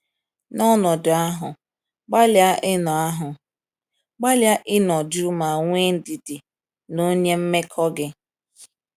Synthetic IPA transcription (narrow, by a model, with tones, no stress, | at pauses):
nɔ˦nɔ˨dʊ˨a˦ɦʊ˨ | ɡ͡ba˦lja˦ʔɪ˦nɔ˨a˦ɦʊ˨ | ɡ͡ba˦lja˦ʔɪ˦nɔ˨d͡ʒu˦ma˨ŋʷe˦n̩˦di˨dɪ˨ | no˦ɲe˦m̩˦me˦kʰɔ˦ɡɪ˦